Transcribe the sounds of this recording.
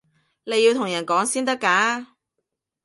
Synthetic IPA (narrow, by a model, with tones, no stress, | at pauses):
le˨˧jiː˧wt̪ʰʊ˨˩ŋjɐ˨˩nkɔː˨˥ŋsiː˥nt̪ɐ˥kːaː˨˥